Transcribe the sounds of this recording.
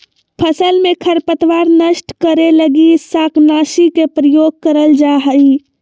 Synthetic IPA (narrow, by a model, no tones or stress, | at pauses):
pʰəsəlmekʰəɾpət̪ʋaɾnəsʈkəɾeləɡisaknasikepɾəjoɡ̚kəɾəld͡ʒaɦəi